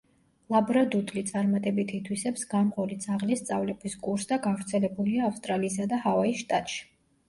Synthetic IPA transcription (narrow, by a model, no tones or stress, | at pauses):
lˠabɾad̪ut̪ʼlit̪sʼaɾmat̪ʼɛbit̪ʰit̪ʰwisɛpsɡamqʼɔlid̪zaʁlist̪sʼavlɛbiskʼuɾsd̪aɡavɾt̪sʰɛlɛbuliaːfst̪ʼɾaliːs̬ad̪ahavaisʃt̪ʼat̪ʼʃi̥